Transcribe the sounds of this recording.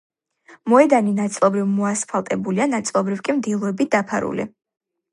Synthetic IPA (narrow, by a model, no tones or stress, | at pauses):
mɔɛd̪aninat̪sʼlˠɔbɾivmɔaspʰalˠt̪ʼɛbulianat̪sʼlˠɔbɾivkʼimd̪ilˠɔɛbit̪̚d̪̥apʰa̰ɾṵlḭ